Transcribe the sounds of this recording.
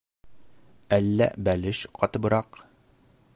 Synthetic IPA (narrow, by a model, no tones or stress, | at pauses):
ælːæ̰bælɘʃqɒt̪ɤ̆bɤ̆ɾɑq